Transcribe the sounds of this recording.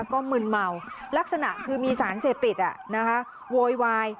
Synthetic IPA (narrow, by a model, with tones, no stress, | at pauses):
kɔː˥˩mɯː˧nma˧wla˦˥k̚sa˧na˨˩ʔkʰɯː˧miː˧saː˩˦nseː˨˩p̚t̪i˨˩t̪̚ʔa˨˩na˦˥kʰa˦˥ | woː˧jwaː˧j